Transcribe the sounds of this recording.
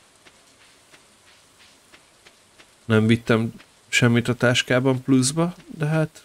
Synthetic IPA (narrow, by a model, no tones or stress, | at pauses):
nɛɱvit̪ːɛm | ʃɛmːit̪ɒt̪aːʃkaːbɒmpluzbɒd̪ɛɦaːt̪